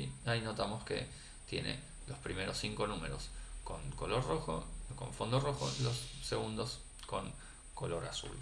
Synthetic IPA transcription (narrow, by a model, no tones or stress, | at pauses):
iaino̞t̪amoskḛ | t̪je̞̰nḛ | lo̞spɾime̞ɾo̞siŋko̞nume̞̰ɾo̞̰sko̞ŋko̞lo̞ɾroxo̰ko̞̰ɱfo̞nd̪oro̞xo̞̰lo̞sːeɣund̪o̞s | ko̞ŋ | ko̞lo̞ɾasṵl